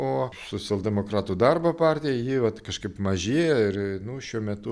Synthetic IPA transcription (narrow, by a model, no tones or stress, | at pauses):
oːsoːt͡ssʲɛlˠd̪ʲɛmoːkɾɑːt̪uːd̪ɐrbopɑːrʲt̪ʲɪjɛɪjɪʋɐt̪kɐʃkɐɪpmɐʒʲiːjɛɪrnʊʃʲuɔmʲɛt̪ʊ